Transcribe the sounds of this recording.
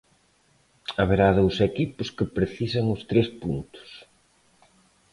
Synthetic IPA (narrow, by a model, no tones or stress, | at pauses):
aβeɾaðowsekipʊskɪpɾeθisɐŋʊst̪ɾespunt̪ʊ̥s